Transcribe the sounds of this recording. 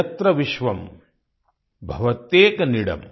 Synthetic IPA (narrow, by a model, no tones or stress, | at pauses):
ɐt̪ɾɐʋiʃʋɐm | bʱɐʋɐt̪eːkɐniɽɐ̰m